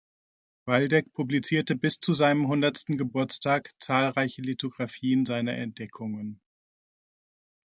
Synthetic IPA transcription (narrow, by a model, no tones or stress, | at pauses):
v̥aldɛkpʰublit͡siːɐtəbɪst͡suzaɪnəmɦʊndɐtstn̩ɡəbʊɐt͡stʰaːkt͡saːlʁaɪçəlitʰoɡʁafiːənzaɪnɐʔɛ̰nt̚d̥ɛkʰʊŋən